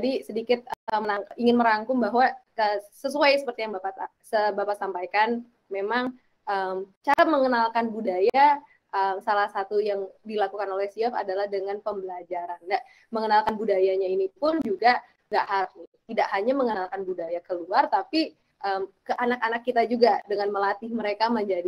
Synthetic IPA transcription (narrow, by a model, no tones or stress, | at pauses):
d͡ʒadisədikɪt̪̚mənaŋiŋɪnməɾaŋkʊŋbaɦwa | əsəsuajsəpərt̪ijaŋbapat̪asəbapatsampajkan | memaŋ | ʔəmt͡ʃaɾaməŋənalkanbudaja | ʔəmsalahsat̪ujaŋdilakukanolɛhsiafa̰dalahdəŋanpəmbəlad͡ʒaɾanda | məŋənalkanbudajaɲainipʊnd͡ʒuɡa | ŋɡaʔɦaɾanit̪idaʔhaɲaməŋənalkanbudajakəluart̪api | ʔəmkəʔanakanakːit̪ad͡ʒuɡadəŋanməlat̪ɪhməɾekaməɲd͡ʒadi